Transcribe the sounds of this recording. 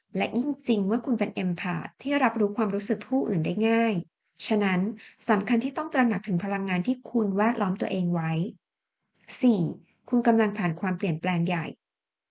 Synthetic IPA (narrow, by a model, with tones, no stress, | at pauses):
lɛ˦˥ʔji˥˩ŋt͡ɕi˧ŋmɯ˥˩ɐkʰu˧npe˧nʔe˧mpʰa̰ː˨˩t̪ʰːiː˥˩ɾa˦˥p̚ɾuː˦˥kʰwaː˧mɾuː˦˥sɯ˨˩k̚pʰuː˥˩ʔɯ̰ː˨˩ndaː˥˩jŋaː˥˩j | t͡ɕʰa˦˥na˦˥nsa˩˦mkʰa˧nt̪ʰiː˥˩t̪ɔ˥˩ŋt̪ɾa˧na˨˩k̚t̪ʰɯ˩˦ŋpʰa˧la˧ŋːaː˧nt̪ʰiː˥˩kʰu˧nwɛː˥˩t̪̚lɔː˦˥mt̪u˧ɐʔeː˧ŋwa˦˥j | siː˨˩ | kʰu˧nka˧mla˧ŋpʰaː˨˩nkʰwaː˧mpli˨˩ənplɛː˧ŋja˨˩j